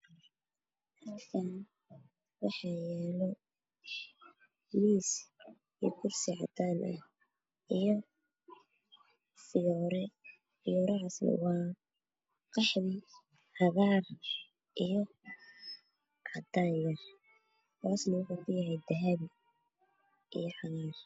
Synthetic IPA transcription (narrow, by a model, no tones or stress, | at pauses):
hɐlkʰɐn | wɑħɑjɛːlɔ | miːs | ikʰʊrsɪʕɑd̪aːnʔɐ̰h | ʔijɔ | fɪjɔːɾɛ | fɪjɔːɾɐaswɑː | qɑħðiː | ħɑɣaːr | ʔijɔ | ʕɑd̪aːjjɐ | t̪ʰaːsnɐʊħʊkʰʊjɐɦɛjd̪ɐɦabi | ʔḭjɔħɑɣaːr